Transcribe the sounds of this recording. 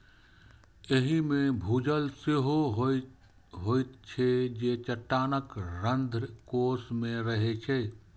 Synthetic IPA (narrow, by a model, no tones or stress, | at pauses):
eɦimẽbʱuːd͡ʒəlsɪɦoɦ | ɦoːɪt̪t͡ʃʰed͡ʒeːt͡ʃəʈːaːnəkɾə̃nd̪ʱkoːsmẽɾəɦet͡ʃʰe